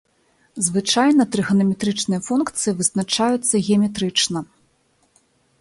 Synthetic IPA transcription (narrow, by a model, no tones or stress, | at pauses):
zvɨt͡ʂajnɐt̪ɾɨɣɐnɐmʲɛt̪ɾɨt͡ʂnɨjɐfunkt̪sɨjivɨsnat͡ʂajut̪sːɐɣʲɛɐmʲɛt̪ɾɨt͡ʂnɐ